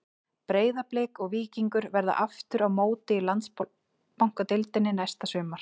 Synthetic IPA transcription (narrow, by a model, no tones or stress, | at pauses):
pɾeːjðapleːkɔɣviːciŋkʏɾvɛɾða̰ʔaft̪ʏɾawmoːwt̪ɪilant̪s | pawŋ̥kat̪ɪlt̪ɪnːɪnajst̪asʏːmaɾ̥